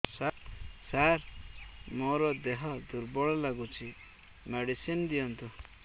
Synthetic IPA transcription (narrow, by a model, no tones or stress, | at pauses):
sasaɾ | moɾɔd̪eɦɔd̪uɾbɔɭɔlaɡut͡ʃʰi | meɽisind̪iɔnt̪u